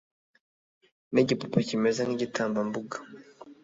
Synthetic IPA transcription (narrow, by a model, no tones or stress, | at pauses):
niɟipupacimɛzaniɟitʰaːmbambuɡḁ